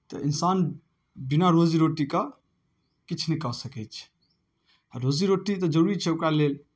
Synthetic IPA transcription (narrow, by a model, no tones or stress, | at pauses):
t̪ɔ̰ʔinsan | binaɾod͡ʒiɾoʈika | kit͡ʃʰnɛkasəkɛt͡ʃʰ | aɾod͡ʒiɾoʈit̪ɔd͡ʒəɾuɾit͡ʃʰɛokɾalel